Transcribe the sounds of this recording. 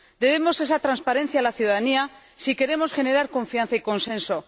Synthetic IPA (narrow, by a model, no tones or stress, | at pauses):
d̪e̞βe̞mo̞se̞sat̪ɾanspaɾẽ̞n̟θjaːlaθjuðaðania | sike̞ɾe̞mo̞sxe̞ne̞ɾaɾkõ̞ɱfianθaiko̞nsẽ̞nso̞